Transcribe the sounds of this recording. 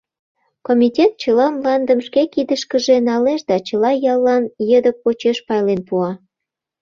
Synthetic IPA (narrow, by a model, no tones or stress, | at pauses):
komʲitʲet̪̚t͡ɕəlɑmlɑnd̪ə̆mʃkekid̪əʃkəʒenɑleʃd̪ɑt͡ɕəlɑjɑlːɑnjəd̪ək̚ːot͡ɕeʃpɑjlenpuɑ